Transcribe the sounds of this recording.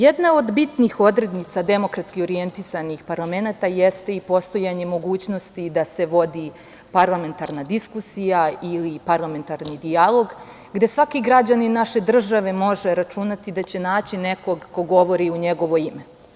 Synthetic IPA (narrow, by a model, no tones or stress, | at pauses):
jed̪nao̞d̪bit̪nixo̞d̪ɾe̞d̪nit̪sad̪e̞mo̞kɾat̪skio̞ɾije̞nt̪isanixpaɾlˠame̞nat̪ajest̪e̞ipo̞st̪o̞jaɲe̞mo̞ɡuːt͡ɕno̞st̪id̪ase̞ʋo̞d̪i | paɾlˠame̞nt̪aɾnad̪iskusijailipaɾlˠame̞nt̪aɾnid̪ialˠo̞ɡ | ɡd̪e̞sʋakiɡɾad͡ʑaninaʃe̞d̪r̩ʒaʋe̞mo̞ʐe̞ɾat͡ʃunat̪id̪at͡ɕe̞naːt͡ɕineko̞ɡko̞ɡo̞ʋo̞ɾiuɲe̞ɡo̞ʋo̞ime̞